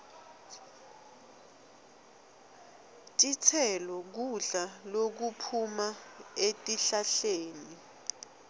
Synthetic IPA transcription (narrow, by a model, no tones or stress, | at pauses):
t͡ʃʼit͡sʰɛlɔk̬uɮalok̬upʰumaetʼiɬaɬeːni